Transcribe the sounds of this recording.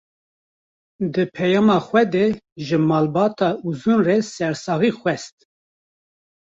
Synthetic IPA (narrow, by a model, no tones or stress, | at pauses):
d̪ɨpʰɛjɑːmɑːxwɛd̪eʒəmɑːlbɑːt̪ʰɑːʔuzunresɛɾsɑːɣixwɛst̪̚